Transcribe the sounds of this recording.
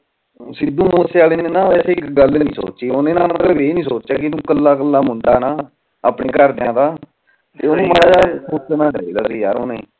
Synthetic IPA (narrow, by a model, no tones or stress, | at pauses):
sɪd̪ũːməəseaːleːnẽːnãːʋɛːseːɪkɡəlnnĩːso̰ːt͡ʃeːonẽːnãːmət̪ːʋeːnĩːsoːt͡ʃt͡ʃaːkɪnũːkəlːaːkəlːaːmʊɳɖaːnaː | aːpneːkəɾd̪eãːd̪aː | t̪eːonũːməɽaːd͡ʒaːsoːənãːɖəiːd̪aːsiːja̰ːɾoːneiː